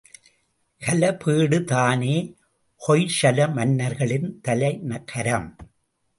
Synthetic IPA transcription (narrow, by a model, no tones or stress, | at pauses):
kɐlɐpiːɽɯt̪aːneː | hɔjʂɐlɐmɐnːɐɾɣɐɭɪnt̪ɐlɐɪnɐkʰːɐɾɐm